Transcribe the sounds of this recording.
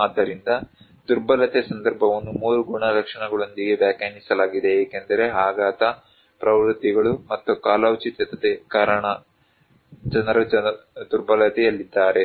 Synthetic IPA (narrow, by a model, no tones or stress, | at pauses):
aːd̪ːɐɾind̪ɐ | d̪uɾbɐlɐt̪ɛsɐnd̪ɐɾbʱɐʋɐnːumuːɾuɡuɳɐɾɐkʂɐɳɐɡɐɭo̞nd̪iɡe̞ʋjaːkɐːnisɐlaːɡid̪eːkend̪ɐɾe̞ɦaːɡaːt̪ɐ | pɾɐʋɾud̪ːiɡɐɭumɐt̪ːukaːlaːwt͡ʃit̪ɛt̪ɐt̪ekaːɾɐɳɐ | d͡ʒɐnɐɾɐd͡ʒɐd̪uɾbɐlɐt̪ɛjɐlːid̪ːaːɾe̞